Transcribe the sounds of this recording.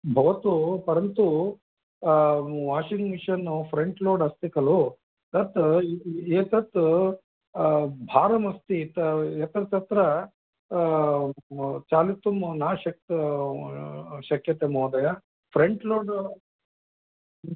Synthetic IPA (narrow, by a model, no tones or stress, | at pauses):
bʱɐʋɐt̪upɐɾɐnt̪u | ʋaːʂiŋɡmiʃɐnːupʰɾeɳʈloːɖɐst̪ikɐlu | t̪ɐt̪ | eːt̪ɐt̪ | bʱaːɾɐmɐst̪it̪ɐet̪ɐɾɐt̪ɐt̪ɾɐ | t͡ʃaːlit̪umnaːʃɐk̚t̪ | ʃɐkjɐt̪emoːd̪ɐjɐ | pʰɾeɳʈloːɖ